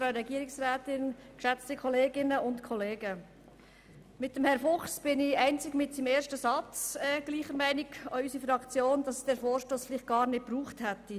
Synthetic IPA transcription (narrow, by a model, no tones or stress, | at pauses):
fɾaʊɾɛɡiːəɾɪksɾɛːtɪnkʃɛt͡stikʰɔleːɡɪnəʊntkʰɔleːɡə | mɪt̚əmhɛɾfʊχsb̥ɪnɪæɪnt͡sɪkmɪtsimeːɾʃtəsɑt͡sɛːɡ̥liːχəɾmæɪniɡoysifɾɑkt͡sjoːndɑsd̥ɛːɾfoːɾʃtoːsfɪlɪχt̚ɡ̥ɑːɾnɪt̚pɾuːχthɛtːi